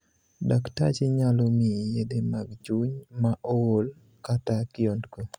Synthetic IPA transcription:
dakta̰t͡ʃɪɲalomijedemaɡd͡ʒuɲmaʔɔwol | katakɪondko

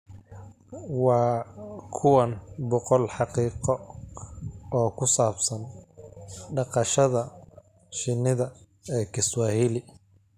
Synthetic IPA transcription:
wɑːkʰʊwɐnbɔqɔlħɑqiːqɔ | ɔːkʰʊsaːbsɐn | ɖɑqɑʃɐðɐ | ʃɪnɪðɐ | ɛːkʰɪswaːhɪlɪ

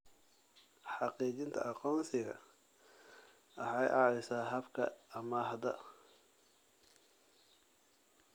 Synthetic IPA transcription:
ħɑqiːt͡ʃɪnt̪ʰɐ̰ʔɑqɔːnsɪɣɐ̰ | ʔɐħɑjʔɑːɾɪsaːɦɐbkʰɐ̰ɐmɐɦɐd̪ɐ

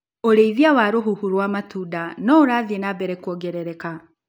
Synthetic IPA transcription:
oɾeiðjawaɾoɦuhuɾwaːmatudanɔoɾaːðienabɛɾɛkwɔɡɛɾɛɾɛka

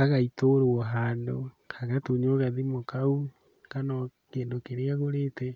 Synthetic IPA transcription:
aɣaitoɾoɔɦaːndo | kʰaɣatoɲoɣaðimokau | kanɔkeːndokeɾeaɣoɾeːtɛ

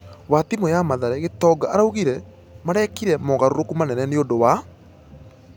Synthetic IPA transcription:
watimojamaðaɾɛɣetɔɡaaɾauɣiɾɛ | maɾɛkiɾɛmɔɣaɾoɾokumanɛnɛneondowa

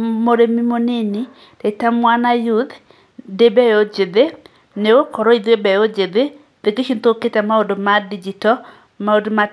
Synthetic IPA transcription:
moɾemimoneni | tetamwanajud̪ | debeod͡ʒed̪e | newokɔɾɔid̪ebɛod͡ʒed̪e | d̪ekeʃint̪oketamaodmadid͡ʒitɔ | maodma

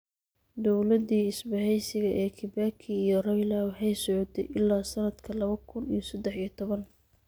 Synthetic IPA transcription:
d̪ɔwlɐd̪iːɪsbɐhɛjsɪɣɐʔɛːkʰɪbaːkʰiijɔrɐlaːwɑħɛjsɔʕɔt̪ʰɛ̰jʔɪlːaːsɐnɐd̪kʰɐlɐβɐkʰʊnḭjɞsɐd̪ɛħijɞt̪ʰɔβɐn

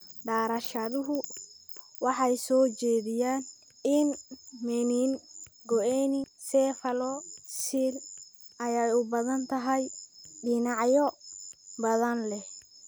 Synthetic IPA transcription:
ɖaːɾɐʃɐðʊɦʊ | wɑħɑjsɔːt͡ʃɛːðɪjaːn | ɪnmɛniːnɡɔʔɛnɪsɛːfɐlɔsilɐjɛjʊbɐðɐnt̪ʰɐɦɛjɖɪnɑʕjɔ | bɐðɐnlɛh

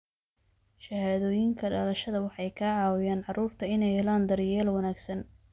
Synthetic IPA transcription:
ʃɐhaːðɔːjɪŋkʰɐɖɐlɐʃɐðɐwɑħɑjkʰaːʕɑːwɪjaːnʕɑruːrt̪ʰɐɪnɛjhɛlaːnd̪ɐɾjɛːlwɑnaːɡsɐn

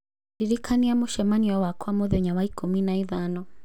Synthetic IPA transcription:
diɾikʰaniamuʃɛmaniwawakʰamɔðɔɲawaikuminaiðanɔ

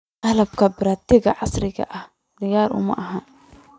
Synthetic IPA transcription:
ʔɐlɐb̚kʰɐbɪɾaːt̪ɪɣɐʕɑsɾɪɣɐ̰ʔɐh | d̪ɪjaːɾʔʊ̰mɐ̰ʔɐɦaːn

